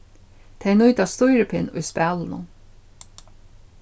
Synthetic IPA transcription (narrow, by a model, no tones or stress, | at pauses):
t̪ʰɛjnʊjt̪ast̪ʊjɾɪpʰɪnʊjspæːlɪnʊ̰